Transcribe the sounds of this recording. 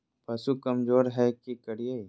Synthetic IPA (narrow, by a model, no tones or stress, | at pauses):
pɐsukɐmzoːɾɦɛkikɐɽijəi